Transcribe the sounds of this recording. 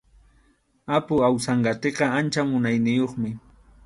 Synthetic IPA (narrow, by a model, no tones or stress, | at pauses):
apʊawsaɴɢɑt̪eqɑant͡ʃamʊnajnɪjoχmɪ